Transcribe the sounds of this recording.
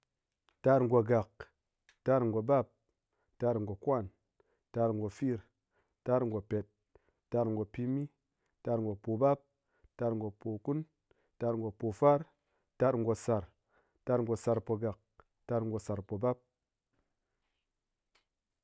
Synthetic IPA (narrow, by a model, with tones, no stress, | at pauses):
ta˧ɾŋ˨ɡo˨ɡa˨k̚ | ta˧ɾŋ̩˨ɡo˨ba˦p̚ | ta˧ɾŋ̩˨ɡo˨kwa˦˨n | ta˧ɾŋ˨ɡo˨fi˦˨ɾ | ta˧ɾŋ˨ɡo˨pe˨t̚ | tːa˧ɾŋ̩˨ɡo˨pi˧mi˦ | ta˧ɾŋ̩˨ɡo˨po˨ba˦p̚ | ta˧ɾŋ˨ɡo˨po˨ku˦n | ta˧ɾŋ˨ɡo˨po˨fa˦ɾ | ta˧ɾŋ̩˨ɡo˨sa˨ɾ | ta˧ɾŋ̩ɡo˨sa˧ɾpo˧ɡa˨k̚ | ta˧ɾŋ˨ɡo˨sa˨ɾpo˨ba˦p̚